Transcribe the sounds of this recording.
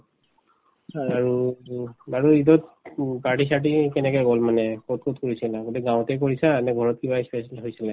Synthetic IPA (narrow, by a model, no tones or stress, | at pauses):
aɹu | baɹuidɔt̚paɹʈis̬atikɛnɛkɛjɡɔlmanɛkot̚kotkoɹisinaɡoduɡãwtɛk̬oɹisanɛɡʱɔɹɔt̚kibaspɛslɦojsilɛ